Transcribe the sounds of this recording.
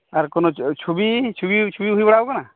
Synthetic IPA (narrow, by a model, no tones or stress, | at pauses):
aɾkɔnɔt͡ʃʰubit͡ʃʰubit͡ʃʰubiɦuibaɽawkana